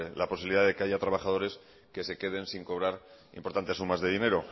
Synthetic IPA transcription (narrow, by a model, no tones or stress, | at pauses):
laposiβiliðaðe̞ke̞aʝat̪ɾaβaxað̞o̞ɾe̞s | ke̞se̞ke̞ð̞e̞nsiŋko̞βɾaɾ | ḭmpoɾt̪ant̪e̞sːumazðe̞ðine̞ɾo̞